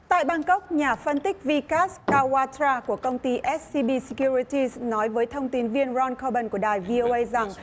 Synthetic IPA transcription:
t̪a̰ː˧˨jɓaː˧ŋkə˦˥wk͡p̚ɲaː˨˩fə˧nt̪ï˦˥k̟̚vi˧kaː˦˥skaː˧waː˧t̪ɾaː˧ku˧˩əkə˧wŋ͡mt̪i˧ʔɛ˦˥t̚si˧ɓi˧si˧kju˧ɹi˧t̪i˧znɔ˨˦jvəː˨˦jt̪ʰə˧wŋ͡mt̪i˨˦nvi˧ənzɔ˧nkʰo˧ɓə˧˩nku˧˩əɗaː˨˩jvi˧ʔo˧ʔə˧jza˨˩ŋ

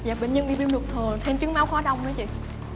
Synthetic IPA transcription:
zaː˨˩ɓḛ˧˨nɲə˧nɓḭ˧˨˩ɓḭ˧ŋ͡mlu˨˩k̚t̪ʰəː˨˩t̪ʰe˧nt͡ɕɨ˨˦ŋmaː˨˦wxɔ˨˦ɗa˧wŋ͡mnɨ˨˦t͡ɕḭ˧˨

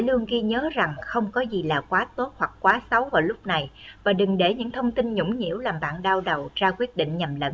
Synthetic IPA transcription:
lɨ˧əŋɣi˧ɲəː˨˦za˨˩ŋxə˧wŋ͡mkɔ˨˦zi˨˩laː˨˩kwaː˨˦t̪o˦˥t̚hwa˨˩k̚kwaː˨˦sa˨˦wvaː˨˩wlʊ˦˥k͡p̚na˨˩jvaː˨˩ɗɨ˨˩ŋɗe˧˩ɲɨ̰˧˥ŋt̪ʰə˧wŋ͡mt̪i˧nɲʊ̰˧˥ŋ͡mɲḭ˧˥əwlaː˨˩mɓa̰ː˧˨nɗaː˧wɗə˨˩wzaː˧kwi˦˥ət̚ɗḭ˧˨ŋ̟ɲa˨˩mlə̰˧˦n

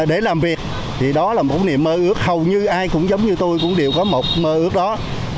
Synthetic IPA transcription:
ɗe˧˩laː˨˩mvi˨˩ək̚ | t̪ʰi˨˩ɗɔ˨˦laː˨˩mo˨˩t̚nḭ˨əmːəː˧ʔɨ˦˥ək̚hə˨˩wɲɨ˧ʔaː˧jkʊ̰˧˥ŋ͡mzə˨˦wŋ͡mɲɨ˧t̪o˧jkʊ̰˧˥ŋ͡mɗe˨˩əwkɔ˨˦mo˨˩t̚məː˧ʔɨ˦˥ək̚ɗɔ˨˦

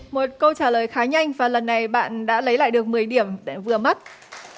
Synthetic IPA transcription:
mo˨˩t̚kə˧wt͡ɕaː˧˩ləː˨˩jxaː˨˦ɲa˧jŋ̟vaː˨˩lə˨˩nːa˨˩jɓa̰ː˧˨nɗa̰ː˧˥lə˨˦jla̰ː˧˨jɗɨ˨˩ək̚mɨ˨˩əjɗi˧˩əm˩vɨ˨˩əma˦˥t̚

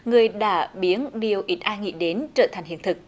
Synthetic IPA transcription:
ŋɨ˨˩əjɗa̰ː˧˥ɓi˨˦ənɗi˨˩əwʔi˦˥t̚ʔaː˧ŋḭ˧˨ɗe˨˦nt͡ɕəː˧˩t̪ʰjŋ̟hḭ˧˨ənt̪ʰɨ˨˩k̚

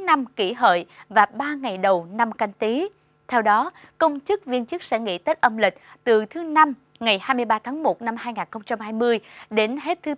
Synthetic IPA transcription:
na˧mki˧˩ɦə̰ː˧˨jvaː˨˩ɓaː˧ŋa˨˩jɗə˨˩wna˧mka˧jŋ̟t̪i˨˦ | t̪ʰɛ˧wɗɔ˨˦ | kə˧wŋ͡mt͡ɕɨ˦˥k̚vi˧ənt͡ɕɨ˦˥k̚sɛ̰˧˥ŋḭ˧˥t̪ə˦˥t̚ʔə˧mlï˨˩k̟̚t̪ɨ˨˩t̪ʰɨ˨˦na˧m | ŋa˨˩jhaː˧jmɨ˧əjɓaː˧t̪ʰaː˨˦ŋmo˨˩t̚na˧mhaː˧jŋaː˨˩nxə˧wŋ͡mt͡ɕa˧mhaː˧jmɨ˧əjɗe˨˦nɦe˦˥t̚t̪ʰɨ˨˦

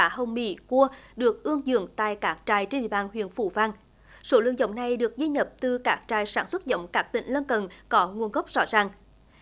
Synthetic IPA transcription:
aː˧˦ɦə˨˧wŋ͡mmḭ˧˥ku˧əɗɨ˨˩ək̚ʔɨ˧əŋzɨ̰˧˨əŋt̪a̰ː˧˨jkaː˦˥k̚t͡ɕaː˨˩jt͡ɕe˧nɗḭ˧˨əɓaː˧˩nɦwḭ˧˨ənfṵ˧˩vaː˧ŋ | so˨˦lɨ̰˧˨əŋzə̰˧˨wŋ͡mna˨˩jɗɨ˨˩ək̚zi˧ɲə˨˩p̚t̪ɨ˨˩kaː˦˥k̚t͡ɕaː˨˩jsaː˧˩nswə˦˥t̚zə̰˧˨wŋ͡mkaː˦˥k̚t̪ḭ̈˧˨ŋ̟lə˧nkə˨˩nkɔ˨˦ŋu˨˩ənɣə˦˥p̚zɔ̰˧˥zaː˨˩ŋ

